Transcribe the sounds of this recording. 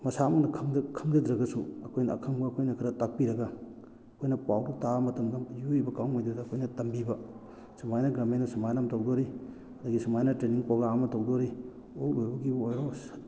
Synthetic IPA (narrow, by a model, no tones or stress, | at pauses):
mɐsamɐŋnɐkʰɐmdɐkʰɐmdɐdɾɐɡɐsuɐkʰojnɐ̰kʰɐŋbɐːkʰojnɐkʰiɾɐtak̚piɾɐɡa | ɐkʰojnɐpawdutamɐtɐmɡɐjuibɐkawmajdudɐːkʰojnɐtɐmbibɐ | sɐmajnɐɡɾamenɐsumajnamtowdoɾi | ɐdɐɡisumajnɐtɾeniŋpoɡaːmɐtowdoɾi | oklojbɐɡiojɾos